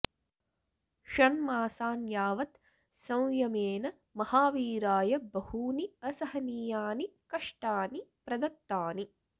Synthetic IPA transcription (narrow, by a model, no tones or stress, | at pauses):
ʃɐnmaːsaːnjaːʋɐt̪ | sɐ̃w̃jɐmeːnɐ | mɐhaːʋiːɾaːjɐbɐhuːniɐsɐɦɐnijaːnikɐʂʈaːnipɾɐd̪ɐt̪ːaːni